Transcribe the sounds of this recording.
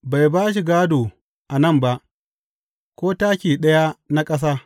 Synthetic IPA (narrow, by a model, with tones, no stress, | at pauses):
ba˨jbaː˦ʃ̬i˨ɡaː˦doː˨ | ʔa˨nɐ˦˨mba˦ʔ | kʷoː˦taː˦kʲiː˨ɗɐ˦ja˦na˦kʼɐ˦s̬aː˦